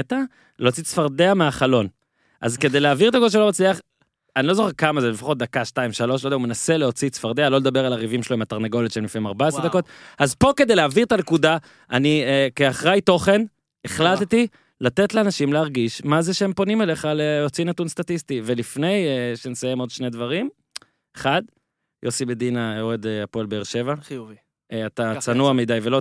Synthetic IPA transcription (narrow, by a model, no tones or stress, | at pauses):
t̪a | leot͡sit͡sfaʁd̪eameaχalo̞n | ʔa̰zke̞d̪ejleaːviʁt̪akoʃ̬elomat͡sliaχ | anilo̞zoχeʁkamazebefaχo̞t̚d̪akaʃtaimʃalo̞ʃ̬lodeaumenase̞leo̞t͡sit͡sfaʁd̪ealo̞led̪abe̞ʁalaʁivimʃeloimat̪aʁneɡo̞lit̪ʃeemlifneimaʁbaesʁed̪akot̪̚azpo̞kedejleaːviʁt̪anekud̪a | aniekeaχʁejt̪o̞χe̞n | eχlat̪t̪i | lat̪et̪leanaʃimleaʁɡiʃmazeʃeempo̞nimele̞χaleot͡sinat̪unstat̪ist̪ive̞lifne̞jeʃensajemo̞d̪ʃned̪vaʁim | eχad̪ | josibed̪inaeʁed̪eapolbeeʁʃe̞vav | eat̪at͡sanuamed̪ajvelo